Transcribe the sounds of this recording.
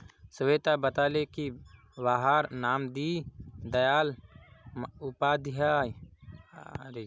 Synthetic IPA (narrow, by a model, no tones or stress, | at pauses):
səʋeːt̪abət̪aːleki | ʋaːɦaːɾnaːmd̪iːd̪əjaːl | ʊpaːd̪ɪɦaːj | ɾe